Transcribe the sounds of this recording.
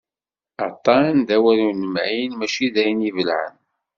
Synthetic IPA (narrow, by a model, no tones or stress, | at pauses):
ɑt̪ˤːɑnd̪æwælunəmʕinmæʃiðæjnivəlʕə̰n